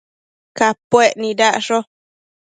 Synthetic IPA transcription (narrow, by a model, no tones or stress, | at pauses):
kapweʔnĩdaʔʂo